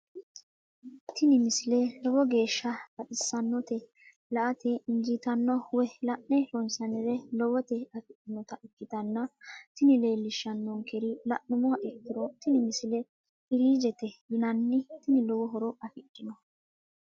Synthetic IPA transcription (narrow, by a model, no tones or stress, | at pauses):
t̪ɪnɪmɪsɪlɛlɔwɔɡe̞ːʃːɐbɐɗɪsːɐnːɔt̪ɛ | lɐʔɐt̪ɛɪnd͡ʒɪt̪ɐnːɔwɛlɐʔnɛɾɔnsɐnɪɾɛlɔwɔt̪ɛɐfɪkːɪnɔt̪ɐʔɪkːɪt̪ɐnːɐt̪ɪnɪle̞ːlːɪʃːɐnːɔŋkɛɾɪlɐʔnʊmɔɐʔɛkːɪɾɔt̪ɪnɪmɪsɪlɛ | ɪɾiːd͡ʒɛt̪ɛnɐnːɪt̪ɪnɪlɔwɔɦɔɾɔɐfɪʔʼːɪnɔ